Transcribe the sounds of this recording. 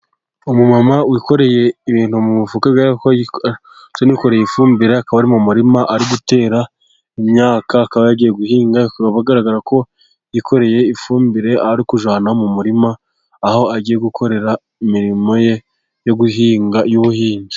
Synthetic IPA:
omumamawiko̞ɾe̞je̞iβiːn̥humuβufukaɡako | t͡ʃoniko̞ɾe̞jeifuːmbiɾeakaβaɾimumuɾimaʔaɾiɡute̞ːɾa | imɲaːkaːkaβajaɟije̞ɡuhiːŋɡaaβaɡaɾaɡaɾako̞ | jikʰo̞ɾe̞je̞ifuːmbiɾe̞aɾikuʒwaːnamumuɾimaː | ho̞aɟije̞ɡukʰo̞ɾe̞ɾa | imiɾimo̞je̞ | jo̞ɡuɦiːŋɡajuβuhiːɲɟi

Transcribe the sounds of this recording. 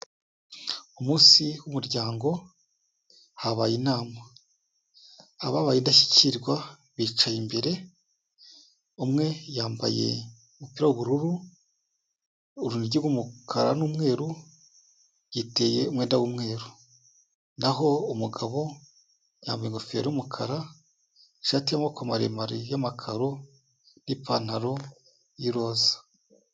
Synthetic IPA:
umuːsiwumuɾɟaːŋɡo̞ | haβajinaːma | βaβajindaʃi̥ciɾɡwa | βiːt͡ʃajimbe̞ɾe̞ | umŋe̞jaːmba̰je̞̰ | upiɾauβuɾuɾu | ɾuniɟiɡumukʰaɾanuːmŋe̞ːɾu | jiteːjeumŋeːndawuːmŋe̞ːɾu | naɦoumuɡaβo̞ | ja̰ːmbajeŋɡofieɾijumukʰaɾa | ʃatijamokomaɾḛmaɾijamakʰaɾo | nipʰan̥aɾo | jiɾozḁ

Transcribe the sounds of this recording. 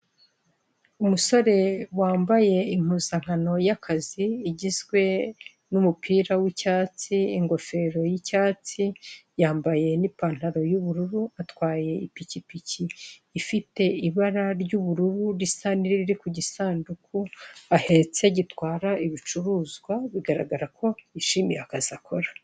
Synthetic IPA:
umuso̞ɾe̞waːmbaje̞im̥uːzaŋ̥ano̞jakʰaziːɟizɡwe̞ | numupʰiːɾawicaːt͡siːŋɡo̞fe̞ɾo̞jicaːt͡sijaːmbaje̞nipaːn̥haɾo̞juβuɾuɾuatwaːje̞ipicipicʰiːfite̞iβaɾaɾɟuːβuɾuɾuɾisaniɾiɾiɾikuɟisaːndukuahe̞t͡se̞ɟitwaːɾaiβit͡ʃuɾuːzɡwaβiɡaɾa̰ɡaɾakʰo̞iʃiːmijeakaziakʰo̞ɾḁ

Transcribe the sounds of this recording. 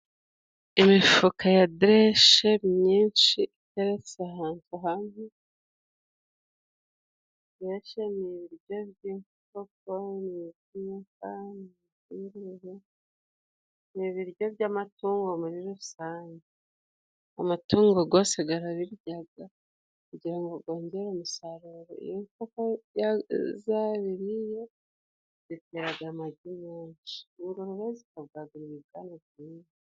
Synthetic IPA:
imifukʰajadɾeʃe̞mɲiːnʃiiteɾet͡saɦaːntʰuɦanɦu | deʃe̞niβiɾjo̞bɟiːɱ | fokonizifani | iɾihe | niβiɾɟo̞bɟamatuːŋɡo̞muɾiɾuusaːɲɟe | a̰matuːŋɡo̞ɡo̞ːse̞ɡaɾaβiɾɟaɡa | kuɟiɾaŋɡoɡo̞ːɲɟeɾomusaɾuɾo̰ḭjoŋkokojazaβiɾije̞ | βiteɾaɡamaɟimeːɲt͡ʃi̥uɡoɾuβezikaβɡaɡuɾiβiβɡaːnaβjiːni

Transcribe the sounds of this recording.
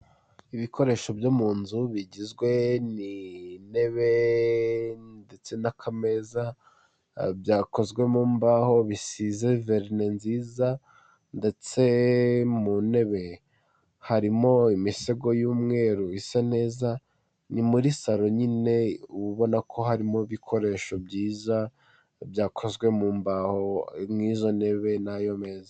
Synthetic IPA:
iβiko̞ɾe̞ːʃo̞bjomuːnzuβiɟizɡwe̞nine̞βe̞ | nde̞t͡se̞nakʰame̞za | bjaːko̞zɡwe̞muːmbaho̞βisizeveɾnenziːza | nde̞t͡se̞mune̞βe̞ | haɾimo̞imiseɡo̞juːmŋe̞ːɾuisan̥e̞ːza | nimuɾisaɾo̞ɲine̞uβuβo̞nakʰo̞ɦaɾimo̞iβikʰo̞ɾe̞ːʃo̞bɟiːza | bjaːkʰo̞zɡwe̞muːmbaho̞mŋiːzo̞ne̞βe̞najo̞me̞ːza

